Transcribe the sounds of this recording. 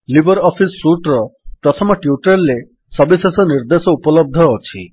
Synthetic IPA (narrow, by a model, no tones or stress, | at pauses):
libʱɔɾɔpʰisːuʈɾɔpɾɔt̪ʰɔmɔʈjuʈɾelːe | sɔbisesɔniɾd̪esɔupɔlɔb̚d̪ʱɔot͡ʃʰḭ